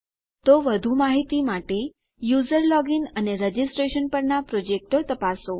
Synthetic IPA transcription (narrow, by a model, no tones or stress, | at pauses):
t̪oʋəd̪ʱumaɦit̪imaʈe | juzəɾlɔɡinəneɾəd͡ʒisʈɾeʃənpəɾnapɾod͡ʒek̚ʈot̪əpaso